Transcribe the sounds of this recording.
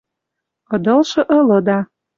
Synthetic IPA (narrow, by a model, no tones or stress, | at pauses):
ɤ̆d̪ɤ̆lʃɤ̆ʔɤ̆lɤ̆d̪ɑ